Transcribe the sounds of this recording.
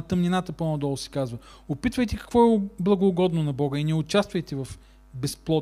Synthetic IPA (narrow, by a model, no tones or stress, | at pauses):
t̪əmninat̪əponɔd̪ɔlˠʊsɛ̥kazvə | opit̪vəjt̪ɛkɐ̥kvɔɛblˠɐɡoːɡɔd̪nonɐbɔɡəinɛʊt͡ʃast̪vəjt̪ɛvɐf | bɛsplˠɔ